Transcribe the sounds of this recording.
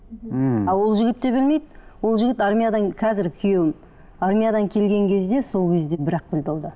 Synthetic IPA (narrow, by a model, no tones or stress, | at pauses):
ɑlˠwo̞lˠʒɪɡʲɪt̪ːe̞bɪlme̞jd̪wo̞lˠʒɪɡʲɪt̪aɾmʲijad̪ɑŋkʲʰɑzɪɾkʲʰʏje̞wɪn | aɾmʲijad̪ɑŋkʲʰe̞lɡʲe̞ŋkʲʰe̞zd̪e̞so̞lˠkʲʰe̞zd̪e̞bɪɾɑq̚bɪld̪ɪlˠd̪ə